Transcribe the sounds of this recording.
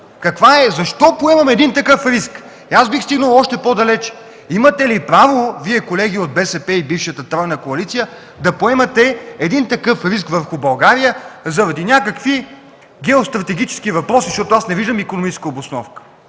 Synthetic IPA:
kɐkvaɛzɐʃt̪ɔpoɛmɐmɛd̪int̪ɐkɤfɾisk | iasbixst̪iɡnəlˠɔʃt̪ɛpod̪ɐlɛt͡ʃɛ̥ | imɐt̪ɛlipɾavoviɛkolɛɡʲiod̪̚bɛsɛpɛibifʃət̪ət̪ɾɔjnəkoɐlit̪sijə | d̪ɐpoɛmɐt̪ɛɛd̪int̪ɐkɤfɾiskvəɾxʊbɐlˠɡaɾijəzɐɾɐd̪inʲakɐkvi | ɡɛost̪ɾɐt̪ɛɡʲit͡ʃɛ̥skivɐpɾɔsiʃt̪ɔt̪oasnɛviʒd̪əmikonomit͡ʃɛskəobʊsnɔ̰fkə̥

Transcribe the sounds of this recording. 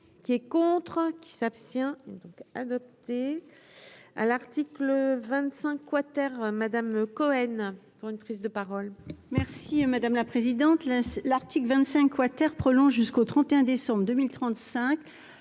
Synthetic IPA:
kʲiɛkɔ̃t̪χkʲi̥sapst̪jɛ̃ɛd̪ɔ̃ka̰d̪ɔp̚t̪e | a̰laʁt̪ikləvɛ̃t̪sɛ̃kːwat̪ɛʁmad̪amkɔɛnpuʁynpχizd̪əpaʁɔlmɛʁsimad̪amlapχezid̪ɑ̃t̪lalaʁt̪iklvɛ̃t̪sɛ̃kːwat̪ɛʁpχɔlɔ̃ʒʒyskot̪χɑ̃t̪eɛ̃d̪esɑ̃bʁəd̪ømilt̪χɑ̃t̪sɛ̃k

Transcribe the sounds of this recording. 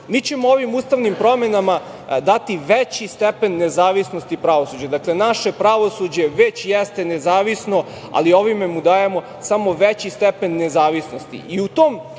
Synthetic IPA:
miːt͡ɕe̞mooʋimuːst̪aʋnimpɾo̞me̞nama | d̪at̪iʋet͡ɕist̪epe̞nːezaːʋisnost̪ipɾaʋo̞suːd͡ʑad̪akle̞naʃe̞pɾaʋo̞sud͡ʑe̞ʋet͡ɕjɛst̪e̞nezaːʋisno̞ | a̰lio̞ʋime̞mud̪aːjemo̞ | samo̞ʋet͡ɕist̪epenːezaːʋisno̞st̪ḭʔiut̪oːm

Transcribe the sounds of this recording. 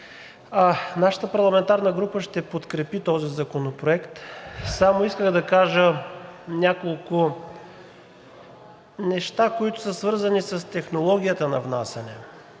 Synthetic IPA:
anaʃə̥t̪əpɐɾlˠɐmɛnt̪aɾnəɡɾupəʃt̪ɛpot̪kɾɛpit̪ɔzizɐkonopɾoɛkt̪samoiskəxd̪ɐkaʒənʲakolˠkʊ | nɛʃt̪akoit̪ʊ̥səsvɤɾzɐnisɐst̪ɛxnolˠɔɡʲijət̪ənɐ̰vnasʲɐnɛ

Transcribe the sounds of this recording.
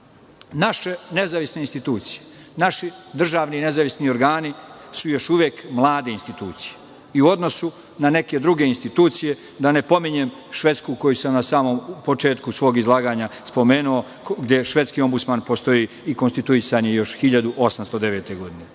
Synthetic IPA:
naʃene̞zaʋisneinst̪it̪uːt̪sije̥naʃid̪r̩ʒaːʋnine̞zaʋisnio̞ɾɡaːnisujo̞ʃuʋjeːkmlˠaːd̪einst̪it̪uːt̪si̥je̥ | iuo̞d̪no̞su | nane̞ke̞d̪ɾuɡe̞inst̪it̪uːt̪sije̞ | d̪ane̞po̞miɲeːm | ʃʋe̞t̪skuko̞jusamnasaːmo̞mpo̞t͡ʃe̞ːt̪kusʋo̞ːɡizlˠaːɡaːɲaspo̞meːnuo̞ | ɡd̪je̞ʃʋe̞t̪skio̞mbut̪maːnpo̞st̪o̞jiː | iko̞nst̪it̪uisaɲijo̞ʃxiʎad̪uʔo̞samst̪o̞d̪e̞ʋeːt̪e̞ɡo̞d̪ine

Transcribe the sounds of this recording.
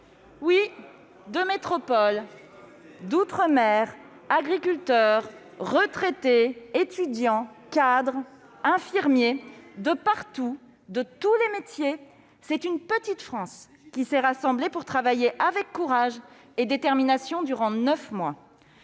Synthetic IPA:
wi | d̪əmet̪χɔpɔl | d̪ut̪χəmɛʁ | aɡʁikʲylt̪œʁː | ət̪χet̪eet̪yd̪jɑ̃ | kad̪ʁ | ɛ̃fiʁmjed̪əpaʁt̪u | d̪ət̪ulemet̪je | sɛt̪ynpət̪it̪fχɑ̃s | kʲisɛʁasɑ̃blepuʁt̪χavajeʔavɛkːuʁaʒ | ed̪et̪ɛʁminasjɔ̃d̪yʁɑ̃nœfmwa

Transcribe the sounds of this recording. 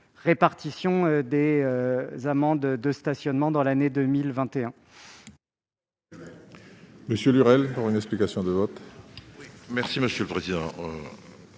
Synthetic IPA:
ʁepaʁt̪isjɔ̃ød̪eøzamɑ̃d̪d̪əst̪asjɔnmɑ̃d̪ɑ̃laned̪əmilvɛ̃t̪eɛ̃ | məsjølyʁɛlpuʁynɛksplikasjɔ̃d̪əvɔt̪ | mɛʁsiməsjøləpχezid̪ɑ̃ø

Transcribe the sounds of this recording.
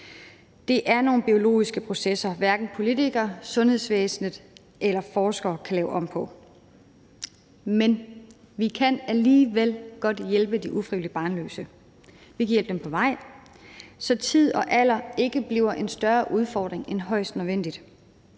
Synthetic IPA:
d̥e̝ʔæɐno̝ːn̩b̥io̝lo̝̰ːisɡ̥əpʰʁo̝sesɐʋæɐɡ̥n̩pʰo̝lit͡sʰiɡ̥ɐsɔ̽nhe̝ð̞̰ˠsʋḛːsn̩əð̩ˠ | ʔelɐfɒːsɡ̥ɐːkʰælɛːʊʔɒ̽m̰pʰɒ̽ | men | ʋikʰænæliːʋelɡ̥ɒ̽d̥jelb̥əd̥iʔufʁiʋlib̥ɑ̈ːnlø̰ːsə | ʋikʰæjelb̥dempʰɒ̽ʋɑ̈ɪ̰ | sɒ̽t͡sʰið̰ˠɒ̽ʔælɐe̝ɡ̥əb̥liʊɐʔe̝nsd̥ɶɐʔuð̞ˠfɒ̰ːd̥ʁeŋenɦɒ̽ɪ̰sd̥nə̞ʋen̰d̥id̥

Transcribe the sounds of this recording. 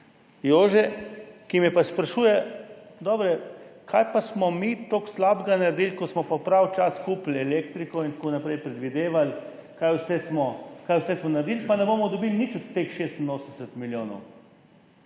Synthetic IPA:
joːʒɛkimjɛpaspɾaʃuːjɛd̪ɔːbɾɛkʰaːjpasmɔmit̪oːkslaːbɡanaɾd̪ilkɔsmɔpɔpɾawt͡ʃaskuːplɛleːkt̪ɾikɔint̪akoːnapɾɛjpɾɛd̪ʋid̪eːʋal | kajwsɛsmɔkajwsɛsmɔnaɾd̪iːlpanɛboːmɔd̪ɔbilnit͡ʃɔt̪ːexʃeːst̪inoːsənd̪ɛsɛt̪miljoːnɔ̰w

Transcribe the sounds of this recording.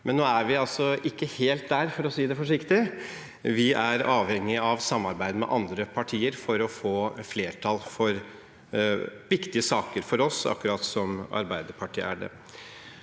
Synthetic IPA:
mɛnːoːæɾʋɪɑlsɔɪkːəheːlt̪̚d̪æɾfɔɾɔsiːd̪ɛfɔʂɪkt̪ɪ | ʋɪʔæɾɑːʋhɛŋːɪɑʋsɑmːɑɾbæɪd̪əmɛ̰ʔɑnd̪ɾəpʰɑʈʰiːəɾfɔɾɔfoːfleːʈʰɑlfɔɾ | ʋɪkt̪ɪəsɑːkəɾfɔɾɔsɑ̰kːʉɾɑt̪sɔmɑ̰ɾbæɪd̪əɾpʰɑʈʰḭːʔæ̰ɖɛ̰

